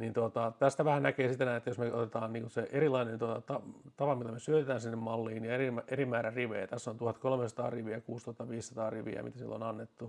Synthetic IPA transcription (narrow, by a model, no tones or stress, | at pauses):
nint̪ot̪ɑt̪æst̪æʋæhænnækeːsit̪ːenæːnet̪ːæjosmeot̪et̪ɑːnniːŋkunseʔeɾilɑinent̪ot̪ɑt̪ɑt̪ɑpɑmilːæmesyøt̪et̪æːnsinːemmɑlːiːnnieimæʔerimæːɾæriʋḛːt̪æsːont̪uhɑt̪kolmesɑt̪ɑ̰ːriʋiækuːst̪ohɑt̪ːɑʋiːssɑt̪ɑːriʋḭæ̰mit̪æsḭlːo̰nɑnːet̪ːu